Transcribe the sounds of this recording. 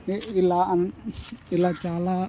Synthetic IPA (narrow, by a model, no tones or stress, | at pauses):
iilaʔanilat͡ʃala